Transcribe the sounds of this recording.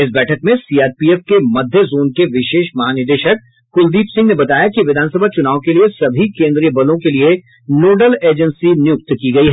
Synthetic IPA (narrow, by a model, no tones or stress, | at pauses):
ɪs̬bɛːʈʰəkmẽsiaːɾpiɛːfkemɐd̪ʱjəzoːnkeʋɪʃeːʃmɐɦaːnɪɾd̪eːʃək̚ | kʊld̪iːpsɪ̃ŋɡnebɐt̪aːjakiʋɪd̪ʱaːnsəbʱat͡ʃʊnaːʋõkeliesɐbʱikẽːnd̪ɾijəbɐlõkelie | noːɖəleːd͡ʒə̃nsinɪjʊk̚t̪kiɡɐiɦɛː